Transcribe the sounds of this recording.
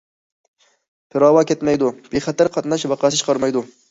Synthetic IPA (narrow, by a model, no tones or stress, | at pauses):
pʰɪɾɑːwɑkʲɛt̪mɛjd̪ub̥eχæt̪æɾqʰɑt̪nɑʃvɑqʰɑsɨt͡ʃʰə̥qʰɑɾmɑjd̪u